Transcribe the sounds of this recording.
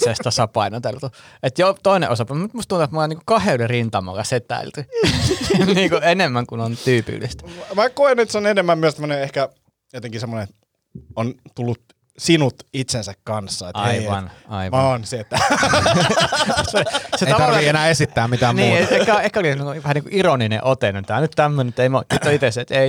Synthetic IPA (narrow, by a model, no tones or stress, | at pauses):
sest̪ɑsɑpɑinot̪elt̪uet̪jot̪oinḛʔosɑpɑmyt̪must̪unt̪uet̪molːɑniŋkukɑheolirint̪ɑmɑ̰lːɑset̪æ̰ilt̪y | niːŋkuenemːæŋkunont̪yːpḭlːḭst̪æ̥mækoenet̪seonenemːæmmyøsemːoneehkæ | jot̪eŋkisemːonet̪ | ont̪ulːut̪ | sinut̪it̪sensækkɑnsːɑet̪ɑeiʋɑnɑiʋɑnseet̪ːæ | seseteit̪ɑt̪ɑrienæːesit̪ːæːmmit̪æmnmniːet̪ekæehkæolienːoikuʋæhæniŋkuʔironinḛ̃ʔot̪enːunt̪æːnyt̪t̪æmːønenmt̪ːeimotnit̪ːoit̪eset̪ei